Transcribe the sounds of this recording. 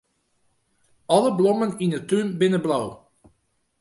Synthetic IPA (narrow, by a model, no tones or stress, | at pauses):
ɔləblɔməninətynbɪnəblow